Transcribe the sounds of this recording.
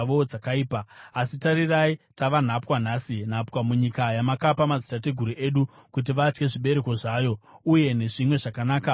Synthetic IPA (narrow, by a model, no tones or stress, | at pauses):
ʋoakaiːpaːsitaɾiraitaʋan̤apwan̤asin̤apwamuɲikajamakapamad͡zi̥tateɡʱuɾiʔe̞ɗukut̬iʋat͡ʃke̞ʐiɓe̞ɾe̞ko̞ʐaːjo̞uje̞ne̞ʐimwe̞ʐakanaːka